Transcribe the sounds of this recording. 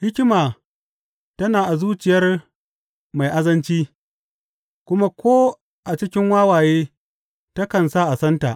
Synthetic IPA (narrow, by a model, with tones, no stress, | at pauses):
hɪ˦kʲɪ˦maː˨ | tɐ˦naː˨ʔa˨zuː˦t͡ʃɪ˨jɐ˦r | ma˨jʔa˦zɐ˦nt͡ʃiː˦ | kʷʊ˦ma˦kʷoː˦ | ʔa˨t͡ʃɪ˦kʲɪ˦ŋwaː˦waː˨jeː˦ | ta˦kɐ˨nsaː˦ʔa˨sɐ˦nta̰˨ʔ